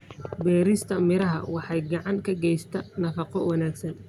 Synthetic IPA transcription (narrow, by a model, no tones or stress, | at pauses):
bɛːɾɪst̪ʰɐmɪɾɐɦɐ̰wɑħɑjɡɑʕɑŋkʰɐɡɛjst̪ʰɐnɐfɑqɔwɑnaːɡsɐn